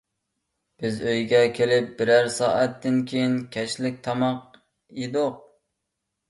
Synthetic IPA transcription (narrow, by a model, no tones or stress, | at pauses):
b̥ɪzøjɡʲɛkʲʰelɪp̚bɪɾæɾsɑːʔæt̪ʰːɪnkʲʰejinkʲʰɛʃlɪk̚ʲt̪ʰɑmɑq | jed̪oq̚